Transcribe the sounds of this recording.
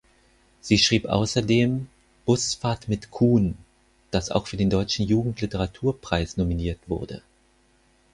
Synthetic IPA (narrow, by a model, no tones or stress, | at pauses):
z̥iːʃʁ̥iːpʔa̰ʊsɐdeːm | b̥ʊsfaːɐtmɪtkʰuːn | d̥asa̰ʊxfyːɐdeːndɔʏt͡ʃn̩juːɡŋ̩tʰlɪtəʁatʰuːɐpʁ̥aɪsnominiːɐtv̥ʊ̰ɐdə̰